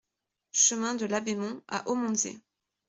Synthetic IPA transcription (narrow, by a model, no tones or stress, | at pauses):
ʃəmɛ̃d̪əlabemɔ̃a̰ʔomɔ̃zḛ